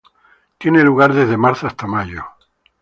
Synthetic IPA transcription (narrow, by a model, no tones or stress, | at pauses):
t̪jeneluɣaɾðezðe̞maɾθoast̪amaʝo